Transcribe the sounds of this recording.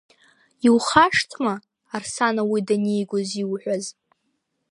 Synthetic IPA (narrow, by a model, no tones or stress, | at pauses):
iwχaʂtʰmaː | rsanawidanejɡʷoziwħᶣʷaz